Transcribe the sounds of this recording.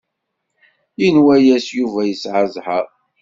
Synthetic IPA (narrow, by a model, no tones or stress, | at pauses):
jinwæjæsjuvæjəsʕəzˤħə